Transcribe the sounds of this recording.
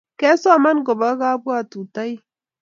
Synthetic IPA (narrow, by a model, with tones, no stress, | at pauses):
kɛ˦so˦˨ma˦nɡɔ˨ba˦ɡa˦bu˦a˦˨tu˨ta˦j